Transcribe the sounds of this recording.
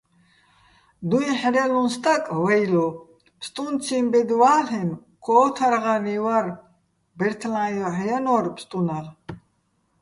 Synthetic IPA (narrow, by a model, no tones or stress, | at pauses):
d̪uiħɾɛlunst̪ʼakʼwajlɔ | pst̪ʼunt͡sʰimbɛd̪waːlɛn | kʰɔːt̪ʰaɾʁaniwaɾ | bɛɾt̪ʰlãjɔħjanɔɾpʰst̪ʼunaɾ